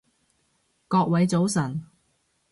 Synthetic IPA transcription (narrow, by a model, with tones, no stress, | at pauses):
kɔː˧k̚wɐ˨˥jt͡so˨˥wsɐ˨˩n